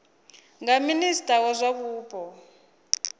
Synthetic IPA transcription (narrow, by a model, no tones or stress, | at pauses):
ŋɡaministʼawɔzʷaβuːbʱʼɔ